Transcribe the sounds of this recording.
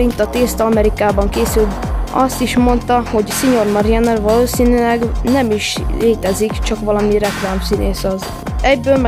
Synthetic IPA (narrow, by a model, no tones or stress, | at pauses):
int̪ɒt̪eːst̪ɒmɛɾikaːbɒŋkeːsyld̪ɒ̰st̪iʃmo̞nt̪ɒho̞ɟsiɲo̞rmɒɾjɛnɛrvɒloːsiːnylɛɡnɛmiʃleːt̪ɛzikt͡ʃɒkʋɒlɒmirɛklaːmsineːsɒz | ɛɟbøːlmɛ